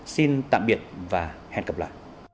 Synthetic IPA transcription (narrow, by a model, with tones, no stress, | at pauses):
si˧nt̪a̰ː˧˨mɓi˨˩ət̚vaː˨˩hɛ̰˧˨nkə˨˩p̚la̰ː˧˨jʔ